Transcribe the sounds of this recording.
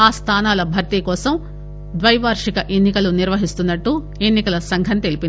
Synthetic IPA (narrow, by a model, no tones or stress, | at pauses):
aːst̪ʰaːnaːlɐbʱɐɾt̪ikɔːsɐm | d̪ʋɐjɐʋaːɾʂikɐʔe̞nːikɐluniɾʋɐɦist̪unːɐʈːu | e̞nːikɐlɐsɐŋɡʱɐnt̪e̞lipin